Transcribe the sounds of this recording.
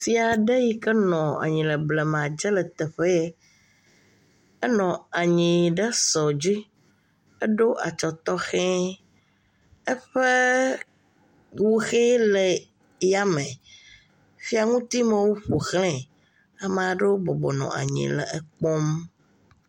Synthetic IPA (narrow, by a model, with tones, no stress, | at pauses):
si˦a˨ɖe˦ji˦kɛ˦nɔ̃˨a̰˨ɲĩ˨lɛ˨blɛ˨m˨ã˨d͡ʒɛ˦lɛ˨t̪ɛ˨ɸɛ˦jɛ˦ | ɛ˦nɔ̃˨a˨ɲĩ˨ɖɛ˦sɔ˨d͡ʑi˦ | ɛ˦ɖo˦ʔa̰˨t͡ʃɔ˨t̪ɔ˦xɛ̃˦ | ɛ˦ɸɛ˦ | wo˦xe˦lɛ˨ | ja˦mɛ̃˨ | fi˦a˨ŋũ˦t̪i˦mẽ˨wo˦ɸo˨xlɛ̃˦˨ | a˨mɛ̃˨a˨ɖe˦wo˦bɔ˨bɔ˨nɔ̰̃˨ʔa̰˨ɲḭ̃˨lɛ̰˨ɛ˦k͡pɔ˦m